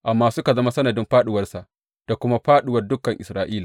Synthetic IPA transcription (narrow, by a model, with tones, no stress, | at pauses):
ʔa˨mːaː˦sʊ˦ka˨zɐ˦ma˦sɐ˦nɐ˨dɪ˦mɸaː˦ɗʊ˨wɐ˦rsa˨ʔ | d̥a˨kʷʊ˦ma˦ɸaː˦ɗʊ˨wɐ˦rdʊ˦kːɐ˨ŋʔɪ˨sɾaː˦˨ʔiː˦laː˨